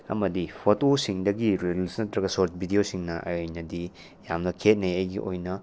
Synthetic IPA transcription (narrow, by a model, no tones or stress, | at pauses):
ɐ̰mɐdipʰotosiŋdɐɡiɾelsnɐtɾɐɡɐsoɾt̚bʱidiosiŋnɐʔɐ̰jojnɐdi | jamnɐkʰet̚neɐjɡḭʔojnɐ